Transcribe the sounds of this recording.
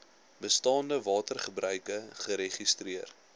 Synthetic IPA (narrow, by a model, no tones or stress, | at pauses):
bəstɑːndəvɑːtərχəbrœɥkəχəɾeχistriər